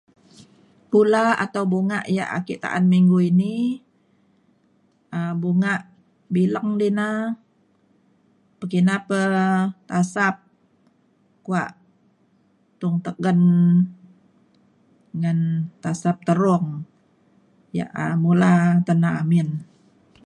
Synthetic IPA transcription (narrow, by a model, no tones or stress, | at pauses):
pulaa̰t̪awbuŋa̰ʔja̰ʔa̰kiʔt̪a̰ʔanmiŋɡuini | əbuŋaʔ | biləŋdina | pəkinapət̪asap̚ | kuaʔ | t̪ʊŋt̪əɡən | ŋant̪asap̚t̪əɾʊŋ | ja̰ʔəmulat̪ənaamɪn